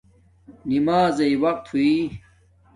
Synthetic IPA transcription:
nimaːzɐiwɐq̚t̪ʰui

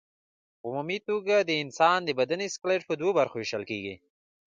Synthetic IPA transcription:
ʊmumit̪oɡad̪əɪnsɑnd̪əbad̪aniskleʈpəd̪wobaɾxoɪʃalkeɡi

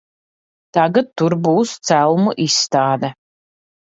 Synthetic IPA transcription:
t̪aɡat̪ːuɾbuːst̪sælˠmuʔisːt̪aːd̪ɛ

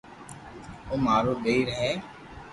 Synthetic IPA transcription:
oːmaːɾoːɡəiːɾəɦɛː

